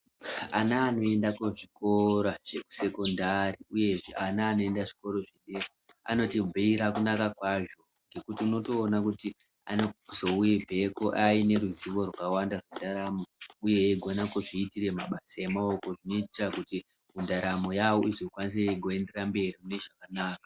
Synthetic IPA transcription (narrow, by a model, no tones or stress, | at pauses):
anaːno̞e̞ndakeʐiko̞ɾaʐ̥e̞ku̥se̞ko̞ndariuje̞ʐeanaːno̞endaʐi̥ko̞ɾo̞ʐeɗeko | a̰no̞tibʱiiɾakunakakwaʐo̞ | ŋɡe̞kutiuno̞to̞ːnakuti | a̰nozo̞uibʱe̞koʔaine̞ɾuziʋo̞rwaawandarwendaɾamouje̞ːɡʱonakuʐiːtire̞maɓasaje̞maoko̞ʐino̞itirakuti | mundaɾamo̞jawoizokwaniseɡʱoe̞nde̞rambe̞rimune̞ʐakanaːka